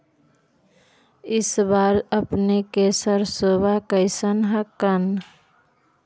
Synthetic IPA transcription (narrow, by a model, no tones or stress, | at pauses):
ɪsbaɾəpnekesəɾsobakəɪsənɦəkːən